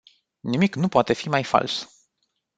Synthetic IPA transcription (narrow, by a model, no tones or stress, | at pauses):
nimiknupoat̪e̞fimajfa̰ls